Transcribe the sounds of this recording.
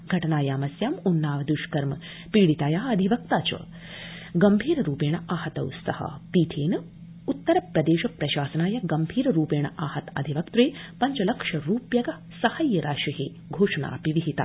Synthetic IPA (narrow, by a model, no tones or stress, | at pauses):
ɡʱɐʈɐnaːjaːmɐsjaːmunːaːʋɐd̪uʃkɐɾmɐ | piːɽit̪aːjaːɐd̪ʱiʋɐk̚t̪aːt͡ʃɐ̰ | ɡɐmbʱiːɾɐɾuːpeːɳɐaːhɐt̪ɐ̰wst̪ɐ̰hɐ̰piːt̪ʰeːnɐ | ut̪ːɐɾɐpɾɐd̪eːʃɐpɾɐʃaːsɐnaːjɐɡɐmbʱiːɾɐɾuːpeːɳ̃ɐ̰ʔaːhɐt̪ɐ̰d̪ʱiʋɐkt̪ɾeːpɐɲt͡ʃɐlɐkʂɐɾuːpjɐɡɐ | sɐhɐjɐɾaːʃiɦeː | ɡʱoːʂɐna̰ːpiʋiɦit̪a̰ː